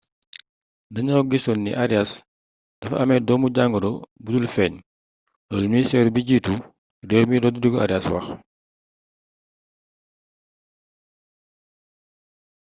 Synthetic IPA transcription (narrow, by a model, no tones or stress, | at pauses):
dɐɲɔwɡisɔnːḭʔaɾjas | d̥ɐfɐ̰mɛdɔːmuɟaŋɡəɾobudulfɛːɲ | dɔːlmisɛɾbiɟiːtu | dɛːwmiɾɔduduɡɔa̰ɾjaswɐ̰x